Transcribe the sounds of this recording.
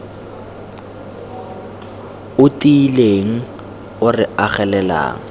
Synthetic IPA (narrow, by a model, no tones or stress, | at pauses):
ʊtiileŋ̩ | ʊrɪaχɛlɛla̰ːŋ̩